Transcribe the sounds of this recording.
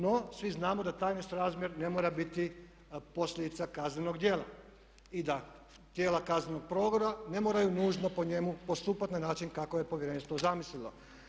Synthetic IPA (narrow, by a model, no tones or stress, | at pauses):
no̞sʋiznaːmod̪at̪aːjnest̪ɾaːzmʲje̞ɾne̞moːɾabit̪i | po̞sʎʲed̪it̪sakazneno̞ɡd̪jeːla̰ | id̪a | t̪jeːlakazneno̞ɡ̥̚pɾo̞ɡoɾane̞moɾajunuːʒno̞po̞ɲemupo̞st̪uːpat̪nanaːt͡ʃinkakoje̞po̞ʋjeɾenist̪ʋozamislilo̞̰